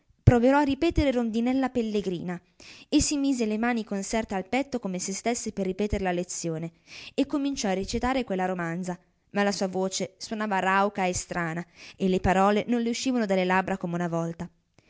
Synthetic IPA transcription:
pɾɔveɾɔarːipɛːt̪eɾeɾond̪inɛlːapelːeɡɾḭːna | esːimiːzelemaːnikonsɛrt̪ealpɛt̪ːokomesest̪esːeperːipɛːt̪eɾelalet̪sːjoːneekːomint͡ʃɔarːet͡ʃit̪aːɾekwelːaɾomand̪za | malːasuːavoːt͡ʃeswonaːvaɾawkaest̪ɾʔaːnaelːepaɾɔːlenõnleuʃːiːvanod̪alːelabɾakomeunavɔlt̪a

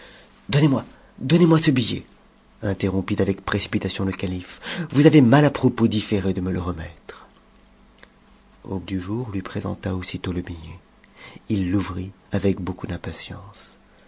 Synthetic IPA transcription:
d̪ɔnemwa | d̪ɔnemwasəbijḛ | ɛ̃t̪eʁɔ̃pit̪avɛkpχesi̥pit̪asjɔ̃ləkalifvuzavemalapχɔpod̪ifeʁed̪əmələʁəmɛt̪χ | o̰bd̪yʒuʁlɥipχezɑ̰̃t̪aosit̪oləbije | ilːuvʁi | avɛkbokud̪ɛ̃pasjɑ̃s

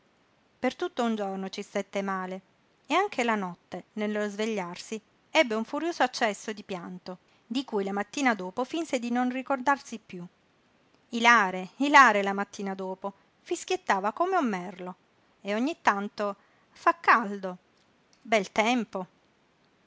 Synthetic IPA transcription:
pert̪ut̪ːound͡ʒornot͡ʃist̪et̪ːemaːle | eaŋkʰelanɔt̪ːenelːozveʎːarsi | ɛbːeuɱfuɾjoːzoat͡ʃːɛsːod̪ipjant̪o | d̪ikujlamat̪ːiːnad̪oːpofinsed̪inonrikord̪arsipːju | ilaːɾeilaːɾelamat̪ːiːnad̪oːpo | fisk̟jet̪ːaːvakomeumːɛrlo | eoɲːit̪ːant̪o | fakːald̪o | bɛlt̪ɛmpo

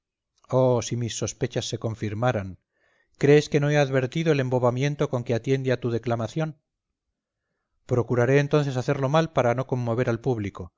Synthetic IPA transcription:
osimisːo̞spe̞t͡ʃasːe̞ko̞ɱfiɾmaɾaŋ | kɾe̞ːske̞no̞eaðβe̞ɾt̪iðoele̞mbo̞βamjẽ̞nt̪o̞ko̞ŋkeat̪je̞nd̪eat̪uð̞e̞klamaθjo̞n | pɾo̞kuɾaɾe̞ːnt̪o̞n̟θesaθe̞ɾlo̞malpaɾano̞ko̞mːo̞β̞e̞ɾalpuβliko̞

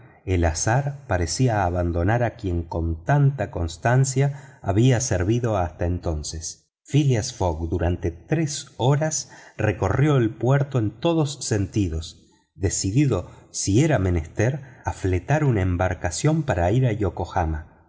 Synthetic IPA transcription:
elasaɾpaɾesiaːβand̪o̞naɾakje̞ŋko̞nt̪ant̪ako̞nst̪ansjaːβiaseɾβiðo̞ast̪aent̪o̞nses | filiasfoɣd̪uɾant̪e̞t̪ɾeso̞ɾasreko̞rjo̞elpweɾt̪o̞e̞nt̪o̞ðosːent̪iðo̞s | d̪e̞siðiðo̞sieɾame̞nest̪eɾaflet̪aɾunaembaɾkasjo̞mpaɾaiɾajoko̞xama

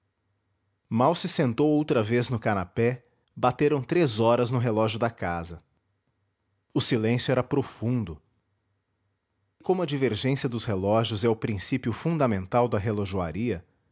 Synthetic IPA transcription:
mawsɪsẽnt̪owowt̪ɾɐveznʊkanapɛ | bat̪eɾɐ̃w̃t̪ɾezɔɾɐznʊɦelɔʒjʊd̪ɐkazɐ | ʊsilẽsjʊɛɾɐpɾofũnd̪ʊ | ɪkõmʊɐd͡ʒiveɾʒẽsjɐd̪ʊshelɔʒjʊzɛʊpɾĩsipjʊfũd̪ɐmẽnt̪awd̪ɐɦeloʒua̰ɾiɐ

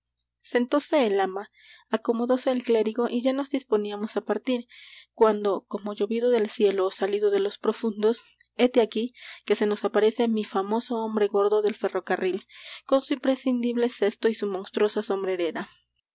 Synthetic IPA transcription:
se̞nt̪o̞se̞ːlama | ako̞mo̞ðo̞se̞ːlkle̞ɾiɣo̞ʔiʝano̞zd̪ispo̞niamo̞sapaɾt̪iɾkwand̪o̞ko̞mo̞ʝo̞βiðo̞ðe̞lsje̞losaliðo̞ðe̞lo̞spɾo̞fund̪o̞s | e̞t̪eakike̞se̞no̞sapaɾe̞se̞mifamo̞so̞ombɾe̞ɣo̞ɾðo̞ðe̞lfe̞ro̞karilko̞nsuimpɾe̞sind̪iβle̞se̞st̪o̞isumo̞nst̪ɾo̞saso̞mbɾe̞ɾe̞ɾa

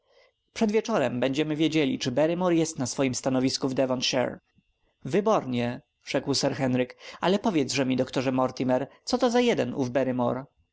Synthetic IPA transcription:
pʂɛd̪vʲjɛt͡ʂɔɾɛmbɛɲd͡ʑɛmɘvʲjed͡ʑelʲḭt͡ʂɘbɛɾɘmɔɾjɛst̪nasfɔjimst̪anɔvʲiskuvd̪ɛvɔnt̪ʂɛ̰ɾ | vɘbɔɾɲɛ | ʐ̥ɛkwsɛɾxɛnɾɘkalɛpɔvʲjɛd̪zʐɛmʲid̪ɔkt̪ɔʐɛmɔɾt̪ʲimɛɾt̪sɔt̪ɔzajɛd̪ɛnṵvbɛɾɘmɔ̰ɾ

